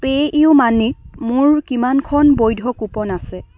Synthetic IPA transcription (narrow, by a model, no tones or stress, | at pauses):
peʔiʊmanitmʊɹkimankʰɔnbojdʱɔkupɔnasɛ